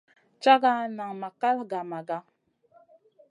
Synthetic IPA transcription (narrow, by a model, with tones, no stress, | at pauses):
t͡ʃa˦ɡa˦na˨ŋma˨ka˦lɡa˨ma˨ɡa˦